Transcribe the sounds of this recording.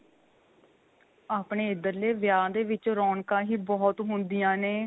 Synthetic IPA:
aːpɳeːɪd̪əɾleːʋjaːd̪eːʋɪt͡ʃɾɔːɳkãːɦiːbɔːt̪ɦʊnd̪ijãːneː

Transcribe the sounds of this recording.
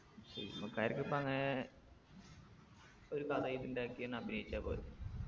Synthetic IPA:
ɕɐɾikːumbɐkːaːjiɾikːɨipːoɐŋːɐne | o̞ɾukɐd̪ɐjip̪indeaːkːienːɐbʱinɐjit͡ɕːaːpo̰ːle

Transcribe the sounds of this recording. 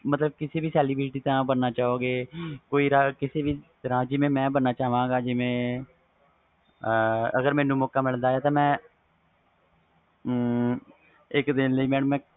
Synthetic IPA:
mət̪ləb̚kɪsiːbiːsɛːlibɾɪʈiːt̪ãːbənːaːt͡ʃaːɦoːɡeːkoːiːɾakɪseːbiːt̪əɾãːd͡ʒɪmẽːmɛ̃ːbənːaːt͡ʃaːʋãːɡaːd͡ʒɪʋẽː | əɡəɾmɛːnũːmɔːkaːmɪld̪aːeːt̪ãːmɛ̃ː | ɪkd̪ɪnləiːmɛ̃ːmɛ̃ː

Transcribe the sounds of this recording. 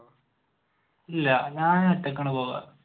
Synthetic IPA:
ilːɐɲaːnɐʈːɐk̬ːɐɳupoːɣa̰

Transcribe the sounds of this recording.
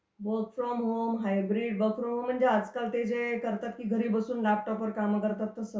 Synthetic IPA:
bəkfɾɔmɦomɦajbɾiɖ̚bəkfɾɔmɦõm̤ːənd͡ʒead͡ʒkəlt̪ed͡ʒekəɾt̪ət̪̚kiɡʱəɾibəsunlap̚ʈɔpːəɾkamkəɾt̪ət̪ːɔsə

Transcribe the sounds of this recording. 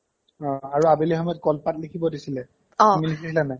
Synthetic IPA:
ɔ̃aɹuabilɛxɔmɔjɔt̚kɔlpatlikʰibɔdisilɛ | ɔmiliisilɛnaj

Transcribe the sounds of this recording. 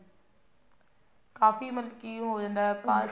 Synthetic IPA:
kaːfimɐlkijũɦoːd͡ʒə̃nd̪aːɦɛpãː

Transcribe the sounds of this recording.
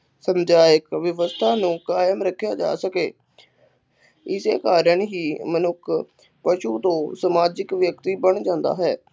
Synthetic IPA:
səmd͡ʒaːjəkʋjəʋəst̪ʰaːnũːkaːjəmɾəkʰːjaːd͡ʒa̰ːsəkeː | ɪsḛːkaːɾəɳɦiːmənʊkʰ | pəʃuːt̪õːsəmaːd͡ʒɪkʋjəkt̪iːbəɳd͡ʒãːnd̪a̰ːɦɛː

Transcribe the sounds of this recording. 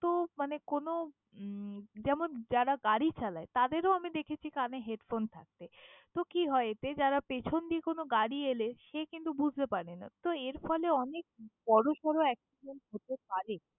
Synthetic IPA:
t̪omanekono | d͡ʑɛmond͡ʑaɾaɡaɽit͡ɕalaet̪ad̪eɾoamid̪ekʰet͡ɕʰikaneɦeɖfont̪ʰa̰k̚t̪et̪okiɦɔeet̪ed͡ʑaɾapet͡ɕʰond̪iekonoɡaɽieleʃekint̪ubud͡ʑʱt̪epaɾenat̪oeɾfɔleɔnek̚bɔɾoʃɔɾoɛksiɖenʈɦot̪epaɾe

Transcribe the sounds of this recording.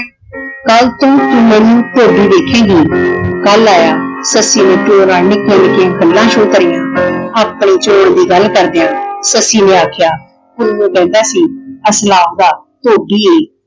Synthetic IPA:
kəlt̪õːt̪umɛ̃ːnũːt̪oːɖiːd̪eːkʰeːɡiːɡəlːaːjaːsəsiːnẽːʈoːɾãːnɪkẽːnɪkjãːkəlːãːʃoːt̪ɾɪjãːaːpɳiːt͡ʃoːɽd̪iːɡəlkəɾd̪ɪjãːsəsiːnẽːaːkʰjaː | ʊnnũːkɛ̃ːnd̪aːsiːəslaːpd̪aː | t̪oːɖiːeː

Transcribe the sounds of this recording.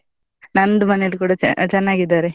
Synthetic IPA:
nɐnd̪umɐnejɐlukuːɽɐt͡ʃt͡ʃɛnːaːɡid̪ːaːɾe

